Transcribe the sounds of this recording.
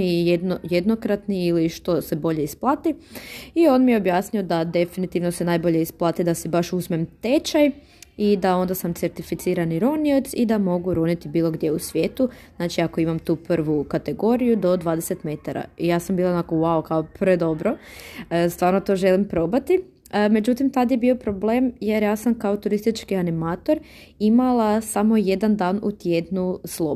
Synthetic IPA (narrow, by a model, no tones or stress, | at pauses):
ijed̪nojed̪no̞kɾat̪niiliʃt̪o̞se̞bo̞ʎe̞isplˠaːt̪iio̞nmijeobjaːsnio̞d̪ad̪e̞finit̪iʋno̞senajbo̞ʎeisplˠaːt̪id̪asebaʃuzmemt̪e̞t͡ʃaj | id̪ao̞nd̪asamt̪se̞ɾt̪ifit̪siːɾaniɾoniot̪sid̪amo̞ɡuɾonit̪ibiːlˠo̞ɡd̪jeusʋʲjeːt̪uznaːt͡ʃiako̞imamt̪uːprʋukat̪e̞ɡo̞ɾijud̪o̞d̪ʋaːd̪e̞set̪me̞t̪aɾa̰ijaːsambiːlˠaonakowaokaopɾed̪o̞bɾoəst̪ʋaːɾnot̪o̞ʒe̞limpɾo̞bat̪i | me̞d͡ʒut̪imt̪ad̪jebio̞pɾo̞ble̞ːmje̞ɾjaːsamkao̞t̪uɾist̪it͡ʃkianimaːt̪o̞ɾ | imalˠasamo̞jed̪and̪aːnṵt̪je̞d̪nuslˠo